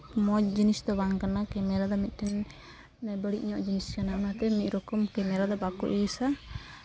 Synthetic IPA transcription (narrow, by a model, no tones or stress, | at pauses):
mɔd͡ʒinisd̪ɔbaŋkanakɛmɛɾad̪ɔmit̪̚ˀʈɛn | ɛbəɽiʔɲɔʔd͡ʒiniskanaɔnat̪ɛmic̪̚ˀɾɔkɔmkɛmɛɾad̪ɔbakɔ̰ʔijsa